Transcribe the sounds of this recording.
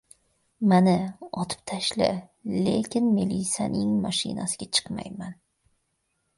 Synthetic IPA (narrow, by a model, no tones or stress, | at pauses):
manɪɒt̪ʰɪ̥p̚t̪ʰaʃlɪ̰le̞kʲɪnmelisa̰nɪŋmaʃɪ̰nasɪɡʲat͡ʃʰɨ̥qma̰jman